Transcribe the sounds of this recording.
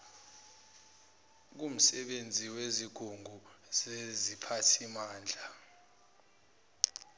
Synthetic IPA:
k̬um̩sɛɓend͡zʱiweziɡ̥ʱuŋɡʱuzezipʰatʰimaːnd͡ɮʱa

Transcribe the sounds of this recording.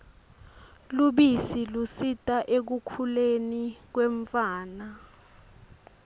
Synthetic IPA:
luɓisilusitʼaʔek̬ukʰulenik̬weɱfaːna

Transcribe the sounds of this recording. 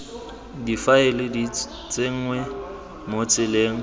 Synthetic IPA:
difaɪlɪdi | t͡sʼeŋ̩ŋwɛ | mot͡sʼɪleːŋ̩

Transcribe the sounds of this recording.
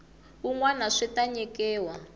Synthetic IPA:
uŋwanaʂɛtaɲɛkɛːwa

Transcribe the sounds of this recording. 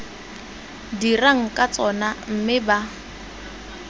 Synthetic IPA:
diraŋ̩kʼat͡sʼɔnam̩mɪba

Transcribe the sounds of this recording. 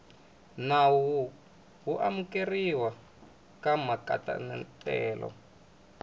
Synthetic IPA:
nawu | ɦuʔamukeriwa | kamakata̰nɛntʼɛːlɔ̰

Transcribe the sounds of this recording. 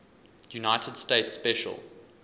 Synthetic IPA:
junaɪtʰəd̥steɪtsːpɛʃə̰lˠ

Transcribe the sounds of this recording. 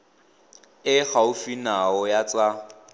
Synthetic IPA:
ɪɣaʊfinaɔjat͡sʼa

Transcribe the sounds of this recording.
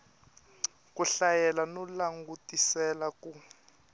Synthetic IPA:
k̬ʼuɬajɛlanɔlaŋɡutʼisɛlaku

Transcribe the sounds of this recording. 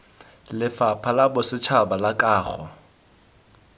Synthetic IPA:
lɪfapʰalabʊsɪt͡ʃʰabalakʼaːχɔ̰

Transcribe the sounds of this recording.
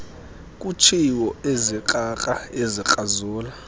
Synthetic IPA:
kʼut͡ʃʰiwɔezikʼakʼaezikʼazuːla

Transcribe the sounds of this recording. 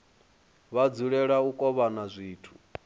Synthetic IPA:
βad͡zuɺɛɺaukʼɔβanazʷiːtʰu̥

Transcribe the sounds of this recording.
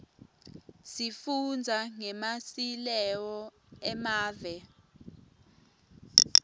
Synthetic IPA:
sifund͡zʱaŋɛmasilɛwɔ | ɛmaːvɛ

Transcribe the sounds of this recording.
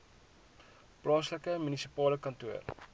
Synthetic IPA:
plɑːsləkəmynisipɑːləkɐntuər

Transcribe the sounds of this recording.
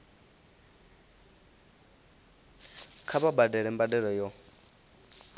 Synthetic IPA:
kʰaβabadɛɺɛmbadɛɺɔjɔ

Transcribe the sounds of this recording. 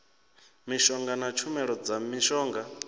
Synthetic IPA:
miʃɔŋɡanat͡ʃʰumɛɺɔd͡zamiʃɔːŋɡa

